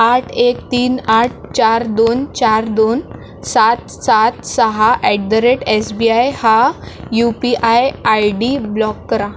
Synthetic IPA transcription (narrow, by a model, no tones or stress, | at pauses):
aʈʰekt̪iːnaʈ̚ʰt͡ɕaɾd̪ont͡ɕaɾd̪on | sat̪ | sat̪səɦaʔɛɖdəɾeʈesbiajhajupiʔajajɖiblɔkːəɾa